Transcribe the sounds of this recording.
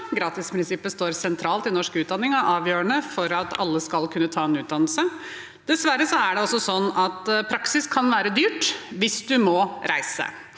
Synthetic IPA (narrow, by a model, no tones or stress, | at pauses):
ɡɾɑːt̪ɪspʰɾɪnsɪpːəst̪oːɾsɛnt̪ʰɾɑːlt̪ɪnɔʂkʉːt̪̚d̪ɑnːɪŋɑʔɑːʋjøːəɳəfɔɾɑt̪ɑ̰lːəskɑlkʰʉnːət̪ʰɑːɛnʉːt̪̚d̪ɑnlsə | d̪̥ɛsʋæɾəsɔæɖɛɔsːɔsɔnːɑt̪pʰɾɑksɪskʰɑnʋæːɾəd̪yːʈʋɪsd̪ʉmɔɾʔæɪsə̰